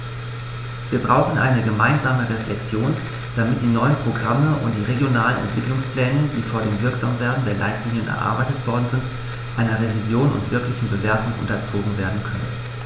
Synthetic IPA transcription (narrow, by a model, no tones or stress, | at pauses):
viːɐbʁaʊxn̩ʔa̰ɪnəɡəmaɪnzaːməʁeflɛk̚t͡sjoːn | d̥amɪt̚d̥iːnɔʏənpʁ̥oɡʁaməʔʊ̰nt̚d̥iːʁeɡjonaːlənʔɛ̰ntv̥ɪklʊŋspl̥ɛːnəndiːfoːɐdeːmvɪɐkz̥aːmveːɐdn̩deːɐlʔa̰ɪtʰliːnjənʔɛ̰ɐʔa̰ɐbaɪtətv̥ɔɐdn̩zɪnt | ʔaɪnɐʁevizjoːnʊ̰ntv̥ɪɐklɪçn̩bəveːɐtʊŋʔʊ̰ntɐt͡soːɡŋ̩veːɐdn̩kʰœnə̰n